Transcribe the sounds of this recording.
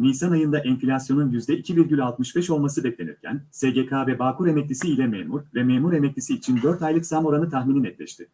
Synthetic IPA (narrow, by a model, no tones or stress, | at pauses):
niːsanajɯnd̪aʔɛnfilʲasjo̞nunjyzd̪ɛʔicʰibiɾɟylʲalˠt̪mɯʃbɛʃo̞lˠmasɯbɛclʲe̞nḭɾ̥cʰæ̰nseɟekʰaːvɛbaːkuɾe̞mɛc̚lʲisiːlʲɛmeːmuɾvɛmeːmuɾe̞mɛclʲisiːt͡ʃʰind̪øɾt̪ajlˠɯksamo̞ɾanɯt̪ʰaxmininɛt̪lʲɛ̰ʃt̪ʰɪ